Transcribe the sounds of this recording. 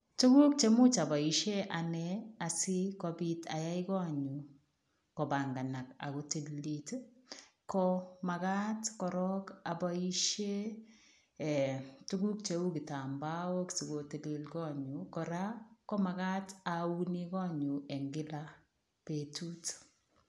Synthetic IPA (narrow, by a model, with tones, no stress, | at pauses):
tu˦ku˦k̚t͡ʃe˦mʊ˦t͡ʃa˨ba˨i˨ʃe˦ʔanɛa˨sɪ˦kɔbi˦ta̰˨ja˦ɪkɔ˦ɲu˨ | kɔ˨ba˨ŋɡa˨na˨ka̰˨koti˦llit | kɔma˨ka˦tkɔ˨ɾɔ˦ka˨bai˦ʃe˦˨ | tu˦ku˦k̚t͡ʃe˦u˦ki˨ta˨mba˦o˦ksi˨ɡo˨tele˨lkɔ˦ɲu˨kɔ˨ɾa˦kɔ˦ma˨ka˦tau˦ni˦kɔ˦ɲu˨ɛ˨ŋɡɪ˦la | pe˨tu˦t